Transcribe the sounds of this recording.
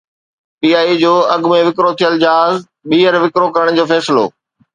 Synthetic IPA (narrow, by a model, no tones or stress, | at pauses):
piːaːid͡ʑoːɐɠmẽʋɪkɾot̪ʰijəld͡ʑaːz | ɓiːəɾʋɪkɾokɐɾəɽ̃d͡ʑoːfɛːsɪlo̰ː